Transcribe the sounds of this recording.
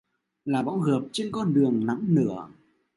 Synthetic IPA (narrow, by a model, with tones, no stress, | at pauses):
laː˨˩ɓɔ̰˧˥wɣɨ˨˩p̚t͡ɕe˧nkɔ˧nɗɨ˨˩əŋna˧˥mnɨ̰˧˩˥ə